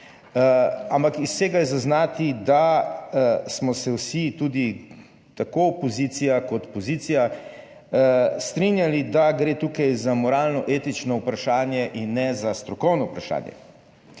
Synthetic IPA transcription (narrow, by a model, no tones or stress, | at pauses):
ampakisseɡajɛzaznaːt̪id̪a | smɔsɛwsit̪uːd̪i | t̪akoɔpɔzit̪sijakɔt̪pɔzit̪sija | st̪ɾinjalid̪aɡɾeːt̪uːkajzamɔɾaːlnɔʔeːt̪it͡ʃnɔupɾaʃaːnjɛʔinːɛzast̪ɾɔkɔwnɔupɾaʃa̰ːnjɛ̰